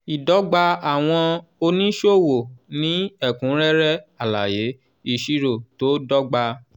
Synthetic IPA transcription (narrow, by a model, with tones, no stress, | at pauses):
i˨dɔ˨˦ɡ͡ba˧a˨w̃ɔ̃˧o˧nĩ˦ʃo˦˨wo˨nĩ˦ɛ˦˨kũ˨˦ɾɛ˦ɾɛ˦a˦˨la̰˨je˨˦ | i˦˨ʃi˧ɾo˨to˨˦dɔ˦ɡ͡ba˧